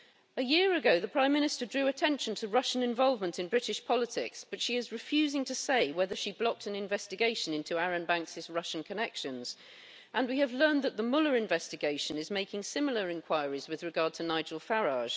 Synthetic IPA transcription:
ɨjɪəɹɨɡoʊðəpʰɹ̥ãɪ̃mːɪ̃ñɨstə˞dɹʉːɨtʰɛ̃nʃə̃ntʰəɹʌʃə̃nɨ̃ɱvɒlˠvmə̃ntɨ̃nbɹɪɾɪʃpʰɒlˠətʰɪksb̥ʌtʃiɪzɹɨfjʉzɪ̃ŋtʰəseɪwɛðə˞ʃiblɒk̚tɨ̃nɨ̃ɱvɛstɨɡeɪʃɨ̃nɪ̃ntʰuaɹɨ̃nbæ̃ŋksɨzɹʌʃn̩kʰɨnɛkʃɨ̃nz̥ | ʔə̃nwiɨvlɜ̃˞nðət̪̚ðəmʊlˠə˞ɨ̃ɱvɛstɨɡeɪʃɨ̃nɨzmeɪkɪ̃ŋsɪ̃ml̩ˠə˞ɨ̃nkʰw̥aɪɹizwɨðɹɨɡɑɹd̚tʰənaɪd͡ʒəl̩ˠfaɹɑʒ̥

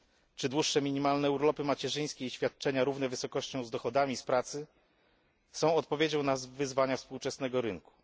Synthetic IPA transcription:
t͡ʂɘd̪wuʂːɛmʲiɲimalnɛuɾlɔpɘmat͡ɕɛʐɘj̃skʲeiɕfʲjat̪̚t͡ʂɛɲaɾuvn̪ɛvɘsɔkɔɕt͡ɕɔ̃w̃zd̪ɔxɔd̪amʲispɾat̪sɘ | sɔ̃w̃ɔt̪̚pɔvʲjed͡ʑɔ̃w̃nazvɘzvaɲafspuwt͡ʂɛsn̪ɛɡɔɾɘŋku̥

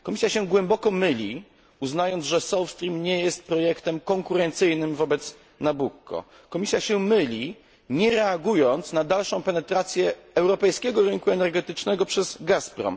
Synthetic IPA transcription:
kɔmʲisʲjaɕɛɡwɛmbɔkɔmɘlʲi | uznajɔnd̪ʐɛsɔwfst̪ɾʲimɲɛjɛst̪̚pɾɔjɛkt̪ɛmkɔŋkuɾɛnt̪sɘjnɘmvɔbɛt̪s | nabukːɔ̰ | kɔmʲisʲjaɕɛmɘlʲi | ɲɛɾɛaɡujɔnt̪snad̪alʂɔ̃w̃pɛnɛt̪ɾat̪sʲjɛɛwɾɔpɛjskʲɛɡɔɾɘŋkuɛnɛɾɡɛt̪ɘt͡ʂnɛɡɔpʂɛzɡaspɾɔ̰m

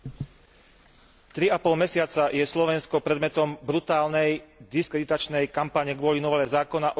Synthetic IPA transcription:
t̪ɾiapɔlmɛsɪat͡sajɛslɔʋɛnskɔpɾɛd̪mɛt̪ɔmbɾut̪aːlnɛjd̪iskɾɛd̪it̪at͡ʃnɛjkampaɲɛɡʋʊɔlinɔʋɛlɛzaːkɔnaʔɔ

